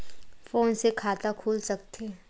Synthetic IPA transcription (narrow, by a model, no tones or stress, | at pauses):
foːnsekʰaːt̪akʰuːlsɐk̚t̪eː